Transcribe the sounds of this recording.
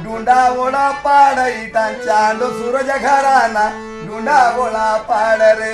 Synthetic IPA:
dundaβɔlapʼaɺaitant͡ʃandɔzuɾɔt͡ʃakʰaɾana | dundaβɔlapʼaɺaɾɛ

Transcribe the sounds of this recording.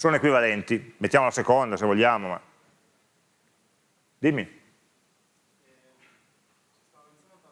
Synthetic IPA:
soːnoekwivalɛnt̪imet̪ːjamolasekond̪asevoʎːjaːmoma̰ | d̪imːi

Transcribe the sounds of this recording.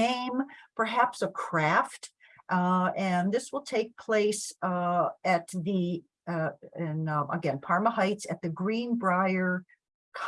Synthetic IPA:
ẽɪ̃mpʰə˞ɦæpsəkʰɹ̥æft | ʔɨ̃nðɪswəlˠtʰeɪk̚pʰl̥eɪs | ɨt̪̚ði | ɪ̃nə̰ɡɛ̃npʰɑɹməhaɪtsɨt̪̚ðɨɡɹĩnbɹaɪə˞ | kʰ

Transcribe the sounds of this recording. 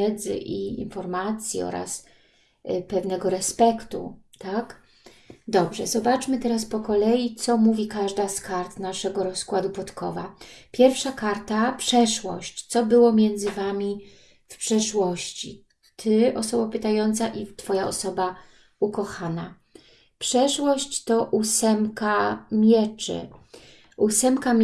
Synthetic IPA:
ɛd̪zɘ̰ʔiḭnfɔɾmat̪sʲjḭɔ̰ɾa̰s | pɛvnɛɡɔɾɛspɛkt̪ṵ | t̪ak | d̪ɔbʐɛ̰zɔbat͡ʂmɘt̪ɛɾaspɔkɔlɛjit̪sɔmuvʲikaʐd̪askaɾt̪naʂɛɡɔɾɔskwad̪upɔt̪kʰɔ̰vapʲjɛɾfʂakaɾt̪apʂɛʂwɔ̰ɕt͡ɕt̪sɔbɘwɔmʲjɛnd̪zɘvamʲi | fpʂɛʂwɔɕt͡ɕḭ | t̪ʰɘɔsɔbapɘt̪ajɔnt̪saʔit̪fɔjaɔsɔba | ukɔxana | pʂɛʂwɔɕt͡ɕt̪ɔʔusɛmkamʲjɛt͡ʂɘ̰ | usɛmka

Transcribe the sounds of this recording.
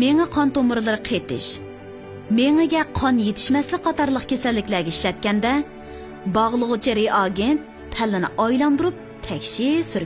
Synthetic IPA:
meŋɛqʰɑnt̪omɨɾɨlˠɨɾɨqʰet̪ɪ̰ʃ | meŋɛɡʲɛqʰɑnjet̪ʰɪ̥ʃmɛslɪk̚ʲqʰɑt̪ɑɾlˠəqkʲʰesɛlːɪkʲlɛɡʲɛiʃlɛt̪̚kʲɛnd̪ɛ | bɑʁlˠəʁʊt͡ʃʰiɾeʔɑɡʲent̪̚ | pʰɛlːɪnɪ̰ʔɑjlˠɑnd̪uɾup̚t̪ʰɛkʲʃisyɾ

